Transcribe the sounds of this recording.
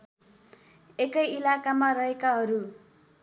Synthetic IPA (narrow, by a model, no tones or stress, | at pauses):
ekʌjilakamarʌɦekaɦʌɾu